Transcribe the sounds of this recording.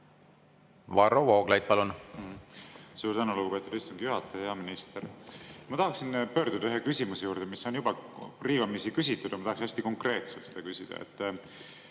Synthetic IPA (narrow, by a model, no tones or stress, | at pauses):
vɑɾovoːɡ̥lɑjd̪̚pɑlun | suːrt̪ænoluɡ̥upet̪ud̪ist̪uŋɡijuɦɑt̪ːˑɑjɑjɑminist̪eɾmɑt̪ɑhɑksinpø̞ːɾd̪ud̪̥ɑyɦekysʲimuse̞juːɾd̪̥e̞misːo̞njubɑriːvɑmisikys̬ʲit̪ːˑud̪̥ɑmɑt̪ɑksinæsʲt̪iko̞ŋkre̞ːt̪selt̪se̞d̪ɑkysʲid̪̥ɑ̰ḛt̪ːˑ